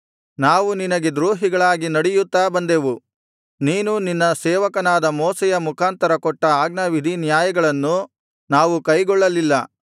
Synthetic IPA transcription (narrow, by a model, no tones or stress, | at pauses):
naːʋuninɐɡe̞d̪ɾuːɦiɡɐɭaːɡinɐɽɛjut̪ːaːbɐnd̪eʋu | niːnuninːɐsɛːʋɐkɐnaːd̪ɐmɔːsɛjɐmukʰaːnt̪ɐɾɐkɔʈːɐaːɡ̚nɐʋid̪ʱinjaːjɐɡɐɭɐnːu | naːʋukɐjɡɔɭːɐlilːɐ